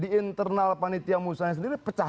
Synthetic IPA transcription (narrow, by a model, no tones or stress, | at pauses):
diint̪ərnalpanit̪iamusaɲasəndiɾipət͡ʃa